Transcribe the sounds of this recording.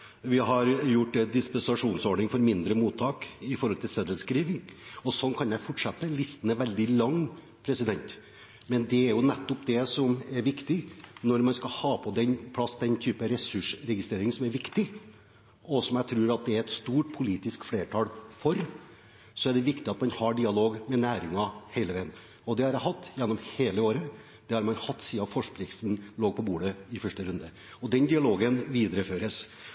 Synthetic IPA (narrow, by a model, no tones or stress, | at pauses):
ʋɪɦɑɾjʊʈːd̪ɛd̪ɪspɛnsɑʂuːnsɔɖɳɪŋfɔɾmɪnd̪ɾəmuːt̪ʰːɑːkɪfɔɾhɔlt̪ʰɪlsɛd̪əlskɾiːʋɪŋɔsɔnkʰɑnjæɪfɔʈʂɑt̪ːəlɪst̪ənɛʋɛld̪ɪlɑŋː | pʰɾɛsɪd̪ɛnt̪ | mɛnd̪ɛæɾjʊnɛt̪ːɔpd̪ɛsɔmæɾʋɪkt̪ɪnɔɾmɑnskɑlhɑːpʰɔd̪ɛnpʰlɑsd̪ɛnt̪ʰyːpəɾɛsʉʂɾɛɡɪst̪ɾeːɾɪŋsɔmæɾʋɪkt̪ɪ | ɔsɔmjæɪt̪ʰɾʉːɾɑt̪̚d̪ɛæɾɛt̪st̪uːʈpʰʊliːt̪ɪskfleːʈʰɑːlfɔɾ | sɔæɖɛʋɪkt̪ɪɑt̪mɑnhɑɖɪɑloːɡmɛnæːɾɪŋɑheɪləʋæɪn | ɔd̪ɛhɑɾjæhɑt̪ːjɛnːɔmheːləoːɾə | d̪̥ɛhɑɾmɑnhɑt̪ːsiːɑfɔʂpʰlɪkt̪n̩loːɡ̚pʰɔbuːɖəɪfœʂʈəɾʉnd̪ə | ɔd̪ɛnd̪ɪɑloːɡənʋiːd̪əɾəføːɾəs